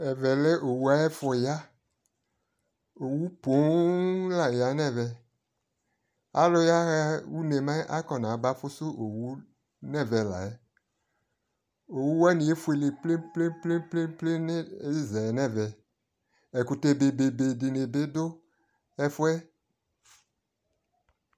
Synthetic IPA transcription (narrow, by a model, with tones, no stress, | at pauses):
ɛ˨vɛ˨le˦ʔo˨wu˦a˦ɛ˦fɔ˨ja˦ | o˨wu˦po˨˦la˨ja˨˦nɛ˦˨vɛ˨ | a̰˦lo˦ja˦ɣɛ˦wu˦ne˨mã˦ʔa˦kɔ˨nã˨˦ba˦fo˦so˦ʔo˨wu˦ | nɛ˦˨vɛ˨la̰˨ɛ˦ | o˨wu˦wɛ˦nĩ˨e˦fu˦e˨le˨ple˦ple˦ple˦pe˦ple˦ne˦e˦˨zɛ˨nɛ̃˦˨vɛ˨ | e˨ku˨t̪e˦be˨be˨be˨di˨ne˨be˦d̪o˦ | ɛ˦fo˦ɛ˦